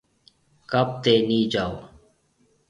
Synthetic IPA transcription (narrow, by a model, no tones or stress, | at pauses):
kəp̚t̪eːniːd͡ʒaːoː